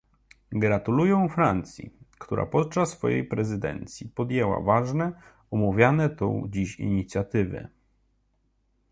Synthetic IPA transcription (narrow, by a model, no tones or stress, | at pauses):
ɡɾat̪ulujɔ̃w̃fɾant̪sʲjḭkt̪uɾa̰pɔt̪̚t͡ʂasːfɔ̰jḛjpɾɛzɘd̪ɛ̰nt̪sʲjipɔd̪jɛwa̰vaʐnɛ | ɔmuvʲjanɛt̪ɔ̰̃w̃d͡ʑiɕḭɲit̪sʲjat̪ɘvɛ̰